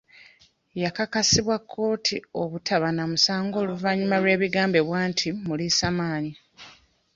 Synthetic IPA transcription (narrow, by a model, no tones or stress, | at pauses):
jakakasiβwakʰːo̞ːtʰio̞βutʰaβanamusaːŋɡo̞ːluvaɲumalwe̞ːβiɡaːmbe̞βwaːntʰimulisamaːɲi